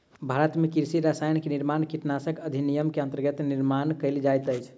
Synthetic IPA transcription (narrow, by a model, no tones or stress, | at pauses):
bʱaɾət̪mekiɾsiɾasajnkeniɾmankiʈnasəkəd̪ʱinijəmkeənt̪əɾɡət̪niɾmankəɪld͡ʒajt̪əjt͡ʃʰ